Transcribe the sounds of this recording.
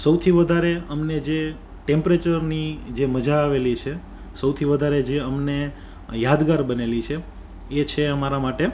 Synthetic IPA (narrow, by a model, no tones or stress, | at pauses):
səwt̪ʰiʋəd̪ʱaɾeəmned͡ʒe | ʈẽmpɾet͡ʃəɾnid͡ʒeməd͡ʒaːʋelit͡ʃʰe | səwt̪ʰiʋəd̪ʱaɾed͡ʒeəmne | jad̪ɡaɾbənelit͡ʃʰe | et͡ʃʰeəmaɾamaʈe